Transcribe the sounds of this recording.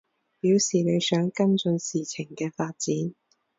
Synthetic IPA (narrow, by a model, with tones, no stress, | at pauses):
piː˨˥wsiː˨˩ne˨˧jsœː˨˥ŋkɐ˥nt͡sɵ˧nsiː˨t͡sʰɪ˨˩ŋkɛː˧faː˧t̚t͡siː˨˥n